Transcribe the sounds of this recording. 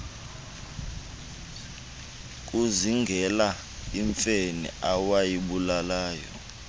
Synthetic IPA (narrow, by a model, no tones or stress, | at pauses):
k̬ʼuziŋɡʱɛla | iɱfenḭawajiɓulalaːjɔ̰